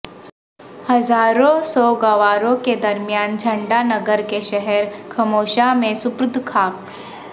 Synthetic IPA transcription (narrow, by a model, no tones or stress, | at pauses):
hɐzaːɾõsɔɡɐʋaːɾõked̪ɐɾmijaːnd͡ʒʱɐ̃ɳɖanɐɡəɾkeʃɛɦɛɾkʰɐmoːʃamẽsʊpɾʊd̪ʱkʰaːp̚